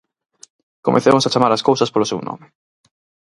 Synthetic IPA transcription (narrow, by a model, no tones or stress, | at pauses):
ko̰mʔḛθemʊsat͡ʃamaɾɐskowsɐspolʊsewnɔ̰̃mɪ